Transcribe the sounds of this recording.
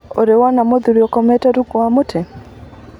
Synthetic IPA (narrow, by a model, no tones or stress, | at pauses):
oɾewanamoðuɾjɔkɔmɛtaɾukwamotʰɛ